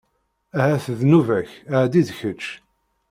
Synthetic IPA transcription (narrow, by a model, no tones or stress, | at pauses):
æhæθəðnuvæçəʕd̪iðçət͡ʃː